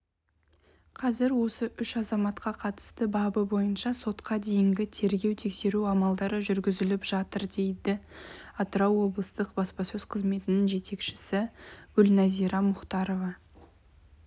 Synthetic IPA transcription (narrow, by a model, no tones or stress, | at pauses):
qʰɑzɪɾwo̞səʔʏʃɑzɑmɑt̪qɑqʰɑt̪ə̥st̪əbɑbəbo̞jənʃɑso̞t̪qʰɑd̪e̞jɪŋɡʲɪt̪ʰe̞ɾɡʲe̞wt̪ʰe̞kse̞ɾuɑmɑlˠd̪ɑɾəʒʏɾɡʲɪzɪlɪpʒ̥ɑt̪əɾd̪e̞jd̪ɪɑt̪əɾɑwwo̞blˠəst̪əqbɑspɑsɵz̥qʰəzme̞t̪ɪnɪŋʒe̞t̪e̞kʃɪ̥sɪɡ̥ʏlnɑzijɾɑmʊχt̪ɑɾo̞vɑ